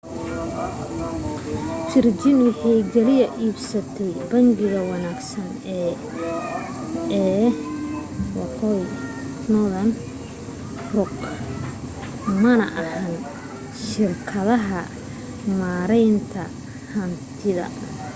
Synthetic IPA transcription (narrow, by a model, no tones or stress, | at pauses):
t͡ʃɪrt͡ʃɪnwɑħɑjɡɛlɪjɐʔiːbsɐt̪ʰɛjbɐŋɡɪɣɐwɑnaːɡsɐnɛː | ɛː | wɑqɔj | nɔðɐn | rʊq | mɐnɐ̰ʔɐhan | ʃɪrkʰɐðɐɦɐ | maːɾɛjnt̪ʰɐ | hɐnt̪ʰɪðɐ̰